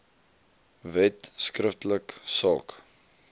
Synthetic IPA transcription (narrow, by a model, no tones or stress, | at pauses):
vɛtskrəftələksɑ̰ːk